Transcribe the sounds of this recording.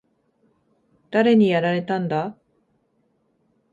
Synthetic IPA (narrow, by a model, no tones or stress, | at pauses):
d̪̥aɾe̞ɲ̟ijaɾaɾe̞t̪ãnd̪a